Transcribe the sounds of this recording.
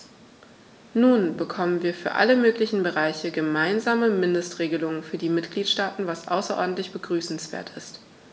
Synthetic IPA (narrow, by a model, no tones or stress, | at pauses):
nuːnbəkʰɔmənviːɐfyːɐʔa̰ləmøːklɪçn̩bəʁaɪçəɡəmaɪnzaːməmɪndəstʁ̥eːɡəlʊŋənfyːɐdiːmɪtɡ̥liːtʃtaːtn̩vasʔa̰ʊsɐʔɔ̰ɐdn̩tlɪçb̥əɡʁyːsn̩sv̥ḛːɐtʰɪst